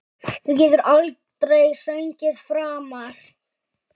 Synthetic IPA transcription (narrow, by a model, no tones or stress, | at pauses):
θuc̬ɛːt̪ʏɾalt̪ɾejsœɥɲcɪðfɾaːmaɾ̥